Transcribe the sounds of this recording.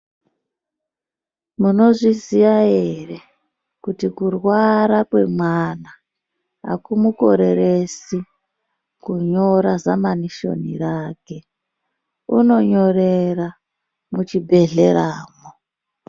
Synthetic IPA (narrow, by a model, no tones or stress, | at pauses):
muno̞ʐiziʋajere | kutikurwaɾakwe̞mwana | a̰kumuko̞̰ɾe̞ɾesi | kuɲo̞ɾazamaniʃo̞̰nḭraːke̞ | uno̞ɲo̞rera | mut͡ʃibʱe̞ɮe̞ɾaːmo